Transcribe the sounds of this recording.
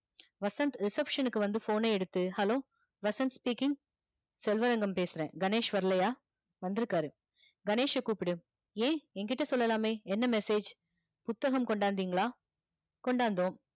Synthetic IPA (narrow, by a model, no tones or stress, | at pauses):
ʋɐsɐnt̪ɾɪsɐpʂɐnɯkːɯʋɐnd̪ɯfoːneːɛɽɯt̪ːɯhɐlõː | ʋɐsɐnt̪spiːkɪŋɡ | sɛlʋɐɾɐŋɡɐmpeːsɯɾḛ̃ːɡɐneːʂʋɐɾɐlɐjaː | ʋɐnd̪ɪɾɯkːaːɾɯ | ɡɐneːʂɛkuːpɪɽɯ | ẽːɛŋɡɪʈːɐsɔlːɐlaːmeːɛnːɐmɛseːd͡ʒ | pʊt̪ːɐɣɐmkɔɳɖaːnd̪iːŋɡɐɭaː | kɔɳɖaːnd̪õː